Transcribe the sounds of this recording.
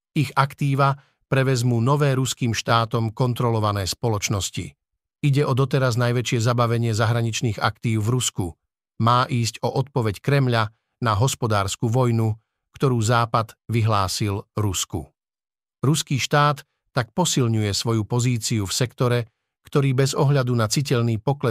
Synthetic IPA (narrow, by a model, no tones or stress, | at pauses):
iɣakt̪iːʋa | pɾɛʋɛzmuːnɔʋɛːɾuskiːmʃt̪aːt̪ɔmkɔnt̪ɾɔlɔʋanɛːspɔlɔt͡ʃnɔscḭ | iɟɛʔɔd̪ɔt̪ɛɾaznajʋɛt͡ʃɪɛzabaʋɛɲɪɛzaɦɾaɲit͡ʃniːɣa̰kt̪iːʊvɾusku | maːʔiːscɔʔɔt̪̚pɔʋɛckɾɛmʎa | naɦɔspɔd̪aːɾskuʋɔjnu | kt̪ɔɾuːzaːpad̪ʋiɦlaːsilɾuskṵ | ɾuskiːʃt̪aːt̪ː | ak̚pɔsilɲujɛsʋɔjupɔziːt͡siufsɛkt̪ɔɾɛ | kt̪ɔɾiːbɛzɔɦʎad̪unat͡sic̬ɛʎniːpɔklɛ